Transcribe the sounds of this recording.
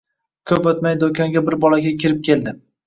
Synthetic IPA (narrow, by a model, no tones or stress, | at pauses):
kʲʰɵpot̪majd̪okʲʰɒŋɡʲabɪɾbɒlaɡʲakʲʰɪɾɪp̚kʲʰe̞ld̪ɪ